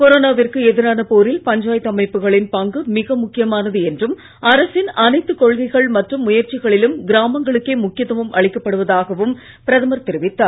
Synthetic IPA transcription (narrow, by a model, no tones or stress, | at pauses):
kɔɾoːnaːʋɪrkɯɛðɪɾaːnɐpoːɾɪlpɐɲd͡ʒaːjt̪ːɐmɐɪpːɯɣɐɭɪnpɐŋɡɯmɪɣɐmʊkːɪjɐmaːnɐðɯɛndrɯm | ɐɾɐsɪnɐnɐɪt̪ːɯkɔɻɣɐɪɣɐɭmɐʈrɯmːʊjɐɾt͡ʃɪɣɐɭɪlɯmɡɪɾaːmɐŋɡɐɭɯkːeːmʊkːɪjɐt̪ːɐʋɯmʔɐɭɪkːɐpːɐɽɯʋɐðaːɣɐʋɯm | pɪɾɐðɐmɐɾt̪ɪɾɪʋɪt̪ːaː